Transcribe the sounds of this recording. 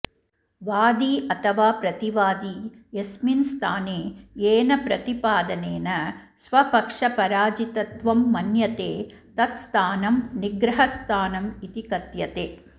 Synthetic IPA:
ʋaːd̪iɐt̪ʰɐʋaːpɾɐt̪iʋaːd̪i | jesminst̪ʰaːneːeːnɐpɾɐt̪ipaːd̪ɐneːnɐ | sʋɐpɐkʂɐpɐɾaːd͡ʒit̪ɐt̪ʋɐmːɐnjɐt̪eːt̪ɐt̪st̪ʰaːnɐmniɡɾɐɦɐst̪ʰaːnɐmit̪ikɐt̪jɐt̪eː

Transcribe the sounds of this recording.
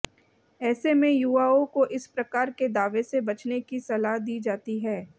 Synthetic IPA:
ɛːsemẽjuːaːõkoʔɪspɾɐkaːɾked̪aːʋesebɐt͡ʃnekisɐlaɦd̪iːd͡ʒaːt̪iɦɛː

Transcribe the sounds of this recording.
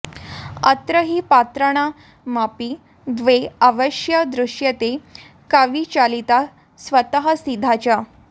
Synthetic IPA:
ət̪ɾəɦiːpat̪ɾəɽ̃a | mapiː | d̪ʋeaʋəɕjəd̪ɾuʂjət̪e | kaʋiːt͡ɕalit̪a | sʋət̪əɦəsid̪ʱat͡ɕja

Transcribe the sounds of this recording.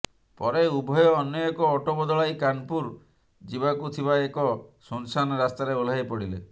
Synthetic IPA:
pɔɾeubʱɔjɔːnjɔekɔːʈobɔd̪ɔɭajkanpuɾ | d͡ʒibakut̪ʰibaekɔsɔnsanɔɾast̪aɾeol̤ajpɔɽile

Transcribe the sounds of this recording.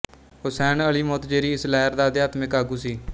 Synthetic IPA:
ɦʊsɛːnəliːmoːt̪d͡ʒeːɾiːɪslɛːɾd̪aːd̪jaːt̪mɪkaːɡuːsiː

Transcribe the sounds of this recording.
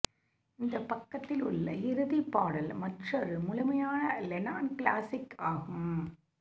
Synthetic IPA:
ɪnd̪ɐpːɐkːɐt̪ːɪlʊɭːɐɪɾɯðipːaːɽɐlmɐʈrɐɾɯmʊlʊmɐjaːnɐlɛnaːnklaːsɪkːaːɣɯm

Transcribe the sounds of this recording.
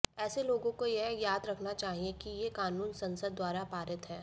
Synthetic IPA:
ɛːseloːɡõkojeɦjaːd̪ɾɐkʰnat͡ʃaːɦiekijekaːnuːnsɐ̃nsəd̪̚ːwaːɾapaːɾət̪ɦɛː

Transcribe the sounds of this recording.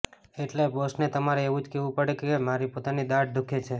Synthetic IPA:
eʈlebosnet̪əmaɾeeʋũd͡ʒkeʋũpəɽekemaɾipot̪anid̪aʈ̚d̪ukʰet͡ʃʰe

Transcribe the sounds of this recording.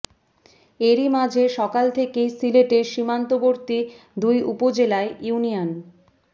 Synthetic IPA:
eɾimad͡ʑʱeʃɔkalt̪ʰekejsileʈeɾʃimant̪oboɾt̪i | d̪ujʔṵpod͡ʑelaejunijan

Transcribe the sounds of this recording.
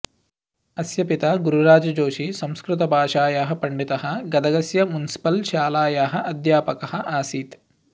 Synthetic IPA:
ɐsjɐpit̪ɐɡuɾuɾaːd͡ʒɐd͡ʒoːʃisɐmskɾut̪ɐbʱaːʂaːjaːɦɐpɐɳɖit̪ɐɦɐ̆ɡɐd̪ɐɡɐsjɐmunisi̥pɐlʃaːlaːjaːɦɐʔɐd̪ʱjaːpɐkɐhɐʔaːsiːt̪

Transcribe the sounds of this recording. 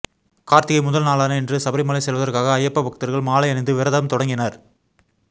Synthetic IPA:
kaːɾt̪ɪɣɐɪmʊðɐlnaːlaːnɐɛndrɯsɐbɐɾɪmɐlɐɪsɛlʋɐðɐrkaːɣɐːjɐpːɐʋɐkɯt̪ːɐɾɣɐɭmaːlɐɪɐnɐɪnd̪ɯʋɪɾɐðɐmt̪ɔɽɐŋɡɪnɐɾ

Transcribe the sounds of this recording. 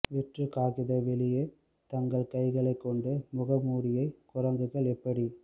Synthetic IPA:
ʋɪʈrɯkaːɣɪðɐʋɛlɪje | t̪ɐŋɡɐɭkɐɪɣɐɭɐɪkːɔɳɖɯmʊɣɐmuːɾɪjɐɪkʊrɐŋɡɯɣɐɭɛpːɐɽi

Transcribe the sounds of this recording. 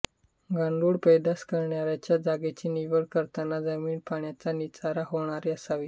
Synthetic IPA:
ɡaɳɖuːɽpəjd̪askəɾɳjaɾjat͡ɕjad͡zaɡet͡ɕiːniʋəɭkəɾt̪anad͡zəmiːnpaɳjat͡sanit͡saɾaɦoɳ̃aɾeəsaʋiː

